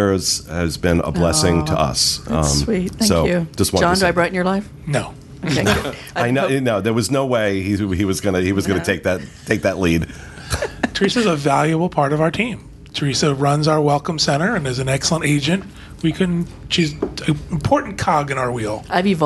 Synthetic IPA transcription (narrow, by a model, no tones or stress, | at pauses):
z̥ɨzbɪ̃nə̰bblɛsɪ̃ŋtʰə̰ʌ̰sʌ̰̃mwit̚θæ̃soʊjʉ̥ʒ̥ʌst̚wɑ̃ɑ̃ndɨaɪbɹaɪʔn̩jə˞laɪf | noʊ | okeo | aɪnonoʊðə˞wʌznoʊweɪiiwʌzɡʌnɨhiwʌzɡʌnɨtʰeɪk̚ðɨttʰeɪk̚ðɨʔˡlid̥ | tʰə˞isɨzəvælˠjɨbl̩ˠpʰɑɹɾʌvaʊ˞tʰĩm | tʰə˞isɨɹʌ̃nzaʊə˞wɛlˠkə̃m̩sɛ̃ɾ̃ə˞ɨ̃nɨzɨ̃n̩ɛksl̩ˠə̃nteɪd͡ʒɨ̃nʔ | wikʰʊdⁿnt͡ʃʉzɨ̃mpʰɔɹʔn̩kʰɑɡɨ̃ñaʊə˞wilˠaɪviv